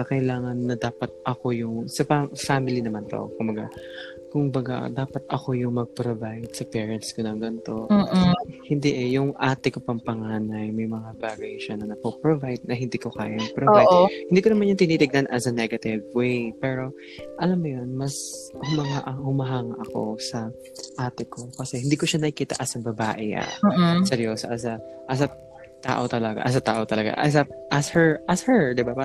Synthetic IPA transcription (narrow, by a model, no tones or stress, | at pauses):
ɐkɐɪlaːŋɐnːɐd̪aːpɐt̪̚ʔɐko̞jʊŋsɐfafaːmɪlinɐmant̪o̰kʊmbɐɡa̰ | kʊŋbɐɡa̰d̪aːpɐt̪̚ɐ̰ko̞jʊŋmɐɡ̚pɾovajd̪̚sɐpɛːɹɐnt̪skonɐŋɡɐnt̪o̞ | hɪnd̪iʔɛjʊŋʔaːt̪ɛkopɐŋpɐŋaːnɐjmɐjmɐŋabaɡejʃɐnɐnɐpopɾovajd̪̚nɐhɪnd̪iːkoka̰ːjɐɐpɾooajʔohɪnd̪ikonɐmanjɐŋt̪ɪniːt̪ɪɡ̚nɐnʔɐsɐnɛɡɐt̪ɪvwejpɛːɾo̞ | ʔɐlamːʊjonmɐshʊmɐŋaʔɐhʊmɐɦaːŋɐʔɐko̞̰sɐ | ʔaːt̪ɛko̞kɐsɛhɪnd̪iːkoʃanɐɪkiːt̪ɐ̰ʔɐsɐbɐba̰ːʔɛa̰ːsɛɾjoːsɐʔɐs̬ɐʔɐs̬a | t̪a̰ːʔo̞t̪ɐlɐɡa̰ʔɐs̬at̪aːʔo̞t̪ɐlɐɡa̰ʔɐs̬ɐʔɐshɛɹʔɐshɛɹd̪ɪbapa